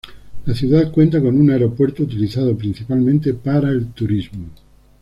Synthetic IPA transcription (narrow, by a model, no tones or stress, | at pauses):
laθjuðaðkwent̪̬akonunaeɾopweɾt̪out̪̬iliθaðopɾin̟θipalmẽnt̪̬epaɾaelt̪uɾizmo